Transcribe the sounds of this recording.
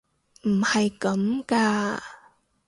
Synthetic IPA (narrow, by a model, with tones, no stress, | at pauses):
m̩˨˩hɐ˨jkɐ˨˦˥mkaː˧